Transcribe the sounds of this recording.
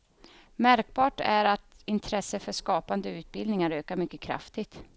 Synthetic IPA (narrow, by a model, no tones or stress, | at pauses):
mæɾk̚bɑːʈæɾat̪ɪnt̪ʰɾɛsːəfœʂkɑːpand̪əʉ̟ːt̪̚bɪld̪nɪŋaɾøːkaɾmʏkːəkʰɾa̰ft̪ɪɡt̪